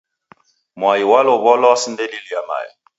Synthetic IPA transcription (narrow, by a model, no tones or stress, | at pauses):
mwajiwalɔβɔlɔsindɛlilijama̰ja̰